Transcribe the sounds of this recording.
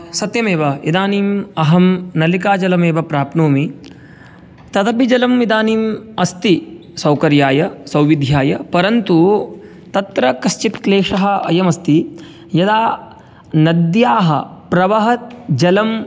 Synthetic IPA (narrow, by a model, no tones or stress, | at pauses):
sɐt̪jɐmeːʋɐid̪aːniːmɐɦɐmnɐlik̬aːd͡ʒɐlɐmeːʋɐpɾaːpnoːmi | t̪ɐd̪ɐbid͡ʒɐlɐmʋid̪aːniːmɐst̪i | sɐwkɐɾjaːjɐsɐwʋid̪ʱjaːjɐpɐɾɐnt̪u | t̪ɐt̪ɾɐkɐʃt͡ʃit̪kleːkʂɐɦɐ̆ɐjɐmɐst̪i | jɐd̪aː | nɐd̪jaːɦɐpɾɐʋɐɦɐt̪̚d͡ʒɐlɐm